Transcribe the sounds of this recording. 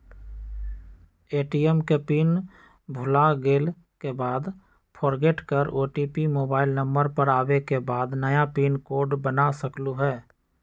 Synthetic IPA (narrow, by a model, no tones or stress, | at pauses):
eːʈiɛmkepiːn | bʱʊlaɡeːl | kebaːd̪ | pʰɔːɾɡeʈkəɾoːʈipimoːbaːɪlnə̃mbəɾpəɾaːwekebaːd̪nəjapiːnkoːɖbənasəkluɦɛː